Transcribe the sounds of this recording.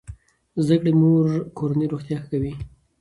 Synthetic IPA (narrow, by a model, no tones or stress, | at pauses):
zd̪akɽemoɾkoɾanəɾoxt̪jɑxkawi